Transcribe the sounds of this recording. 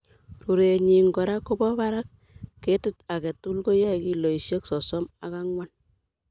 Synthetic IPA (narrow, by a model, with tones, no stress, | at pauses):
ru˨ɾe˨ɲi˨ŋɡɔ˨ɾa˦kːo˦bɔ˦ba˦ɾa˦k̚ː | e˦tu˦ta˨kɛ˨tu˦lko˦ja˦˨ki˨lo˨i˨sje˦ksɔ˨sɔ˦ma̰˦kaŋwa˦n